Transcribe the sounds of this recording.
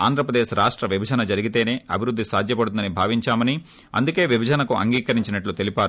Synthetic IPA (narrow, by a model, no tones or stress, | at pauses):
a̰ːnd̪ɾɐpɾɐd̪eːʃɾaːʂʈɾɐʋibʱɐd͡ʒɐnɐd͡ʒɐɾiɡit̪e̞ːne̞ːʔɐbʱiɾud̪ːisaːd̪ʱjɐpɐɽut̪und̪ɐnibʱaːʋiɲt͡ʃaːmɐni | ɐ̰nd̪uke̞ːʋibʱɐd͡ʒɐnɐkuʔɐ̰ŋɡiːkɐɾiɲt͡ʃinɐʈlut̪e̞lipaːɾu